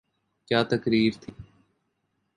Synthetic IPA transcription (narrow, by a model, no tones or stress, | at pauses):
kjaːt̪əkɾiːɾt̪ʰiː